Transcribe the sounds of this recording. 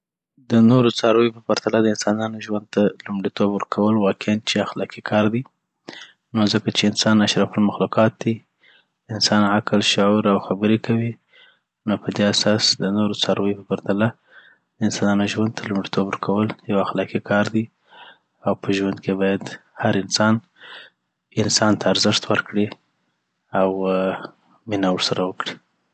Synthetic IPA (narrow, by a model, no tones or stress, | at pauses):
d̪ənoɾot͡sɑɾojopəpaɾt̪alad̪əɪnsɑnɑnoʒwand̪̚t̪alumɽit̪obwəɾkʰawəlwɑkɪant͡ʃeaxlɑkikʰɑɾd̪i | nozəkat͡ʃeɪnsɑnaʃɾafalmaxluqɑt̪̚d̪i | ɪnsɑnaklʃʊʕuɾawxabəɾekawi | nopəd̪easɑsd̪ənoɾot͡sɑɾəjpəbaɾd̪ala | d̪əɪnsɑnɑnoʒwand̪̚t̪ʰalʊmɽit̪ʰobɾkʰawəljawaxlɑkikʰɑɾd̪i | awpəʒwand̪̚kebɑjad̪haɾɪnsɑn | ɪnsɑnt̪ʰaːɾzɪʃt̪wəɾkɽi | aw | minawəɽsaɾawəkɽi